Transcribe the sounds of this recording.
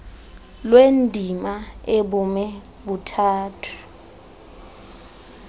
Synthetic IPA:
lwendʱimaeɓumɛ | ɓutʰaːtʰu̥

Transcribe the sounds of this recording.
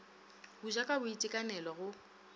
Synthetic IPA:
buʒakʼabʊitʼɪkʼanɛlɔɣʊ

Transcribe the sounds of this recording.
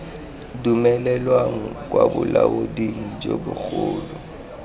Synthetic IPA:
dumɛlɛlwaŋ̩k̬ʼwabʊlaodiŋ̩d͡ʒobʊk͡xʊːlɔ

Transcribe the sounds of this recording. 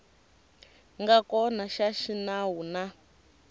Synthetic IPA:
ŋɡakɔnaʃaʃinaɦuna

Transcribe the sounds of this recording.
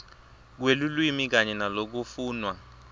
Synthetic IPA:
k̬welulwimik̬aɲɛnalok̬ufuːnwa

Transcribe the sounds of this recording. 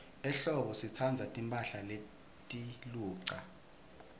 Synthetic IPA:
ɛɬɔɓɔsit͡sʰand͡zʱatʼimpʼaɬale | tʼiluːǀa

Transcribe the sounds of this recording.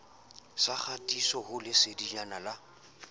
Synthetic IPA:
saχʰatʼisɔhʊlɪsɪdiɲanala

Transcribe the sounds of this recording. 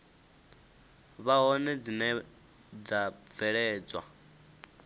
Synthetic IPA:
βaɦɔnɛd͡zinɛ | d͡zavɛɺɛːd͡zwa̰

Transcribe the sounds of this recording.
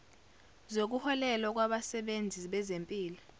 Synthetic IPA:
zok̬uhɔlɛlɔk̬waɓasɛɓend͡zʱiɓɛzempʼiːlɔ

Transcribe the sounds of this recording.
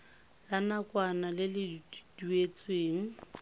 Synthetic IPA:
lanakʼwanalɪlɪdd̥uet͡sʼweːŋ̩

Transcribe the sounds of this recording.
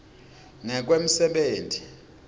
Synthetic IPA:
ŋɛk̬wem̩sɛɓeːntʰʼi

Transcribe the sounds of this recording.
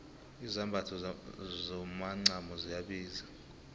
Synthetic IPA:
izambʱatʰɔzɔmaŋ͡ǀamɔzijaɓiːza

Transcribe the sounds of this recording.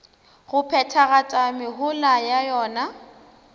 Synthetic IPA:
ɣʊpʰɛtʰaɣatʼamɪɦʊlajajɔːna

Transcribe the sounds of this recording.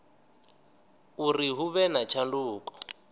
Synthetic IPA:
uriɦuβɛnat͡ʃʰanduːkɔ̥

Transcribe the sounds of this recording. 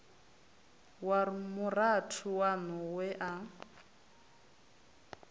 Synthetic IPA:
warmʊratʰuwanɔwɛʔa

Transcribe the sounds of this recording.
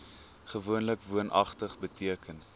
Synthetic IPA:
χəvuənləkvuənʔɐ̰χtəχbətiəkən

